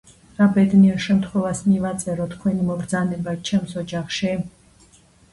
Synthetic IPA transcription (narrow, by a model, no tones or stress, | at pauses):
ɾabɛd̪niɛɾʃɛmt̪ʰχwɛvasmivat̪sʼɛɾɔt̪ʰkʰwɛnimɔɡɾd̪zanɛbat͡ʃʰɛmsɔd͡ʒaχʃi